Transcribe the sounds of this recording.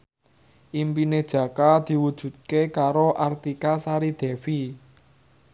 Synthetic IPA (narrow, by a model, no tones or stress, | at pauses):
ʔimpined̥ʒ̥ä̤kad̪̥i̤wud̥ʒ̥ṳt̪̚kekaɾoʔart̪ikasaɾid̪̥ɛ̤fi